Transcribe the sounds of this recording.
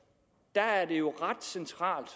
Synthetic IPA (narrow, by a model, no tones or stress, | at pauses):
d̥ææɐd̥e̝jo̝ʁɑd̥sent͡sʰʁɑ̰̈ːld̥